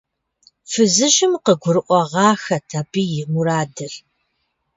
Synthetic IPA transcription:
fɨzɨɕɪmqəɡʷʊɾɨʔʷɔʁɑːxɐtʰaːpʰiːjɪmuɾaːdɨr

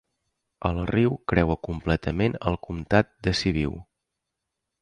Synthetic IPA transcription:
əlˠriwkɾɛwəkumplɛt̪əmenəlˠkumt̪at̪̚d̪əsiβḭw

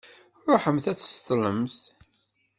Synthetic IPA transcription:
ɾˤoħəmθæt͡sːst̪ˤlə̰mθ

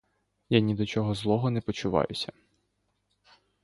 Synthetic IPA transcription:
janʲid̪ɔt͡ʃɔɦɔzlˠɔɦɔnɛpɔt͡ʃʊʋɑ̰jʊsʲɐ

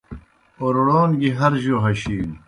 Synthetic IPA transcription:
oɾɽoːnɡiɦɐɾʑoːɦɐɕiːn

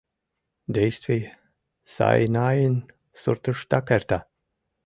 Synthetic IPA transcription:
d̪ɛjst̪vi | sa̰jnaːjin | suɾt̪uʃt̪akɛɾt̪a

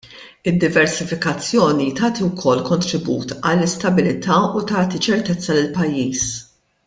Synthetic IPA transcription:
ɪd̪ːɪvɛɾsɪfɪkɐt͡sːjɔːnit̪ɐːt̪iwkʰɔlːkɔnt̪ɾɪbṵːt̪ɐlːɪst̪ɐbɪlɪt̪ɐːut̪ɐːt̪it͡ʃɛɾt̪ɛt͡sːɐlɪlpɐjːiːs

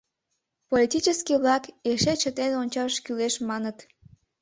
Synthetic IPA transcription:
polʲit̪ʲit͡ɕəskiβlɑkeʃet͡ɕət̪enonʲt͡ɕɑʃkyleʃmɑnət̪

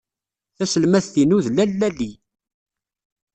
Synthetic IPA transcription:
θæsəlmæθθinuðlælːæli

